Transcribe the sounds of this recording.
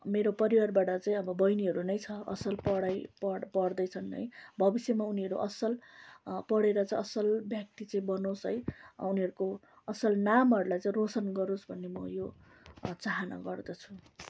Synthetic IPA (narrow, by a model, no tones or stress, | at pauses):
meɾopʌɾiwarbaʈʌt͡saĩʌbʌbʌjniɦʌɾunʌjt͡sʰʌʌ̰sʌlpʌɽajpʌpʌɽd̪ʌjt͡sʰʌnʌ̰jbʱʌbisjemauniʌɾṵʔʌsʌlpʌɽeɾʌt͡saĩʌsʌlbʱjʌk̚t̪it͡sʌĩbʌnosɦʌ̰juniʌɾuko | ʌsʌlnamɦʌɾulajt͡saĩrosʌnɡʌɾosbʱʌnːemʌjo | t͡saɦana̰ɡʌrd̪ʌt͡sʰu